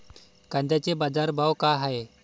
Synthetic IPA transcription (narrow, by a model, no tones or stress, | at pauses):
kãnd̪ʱjat͡ɕebad͡zaɾbʱawkaɦae